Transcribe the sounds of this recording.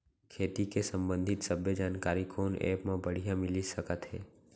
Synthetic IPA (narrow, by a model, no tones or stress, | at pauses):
kʰeːt̪ikesə̃mbə̃nd̪ʱɪt̪səbʱjəd͡ʒaːnkaːɾikʰoːnḛːpmãbəɽ̤ijãmɪlisəkət̪ɦɛ̰ː